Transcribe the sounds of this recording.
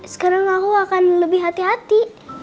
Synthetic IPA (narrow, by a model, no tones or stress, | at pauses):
sə̥kaɾaŋakuakanləbɪhɦat̪iɦat̪i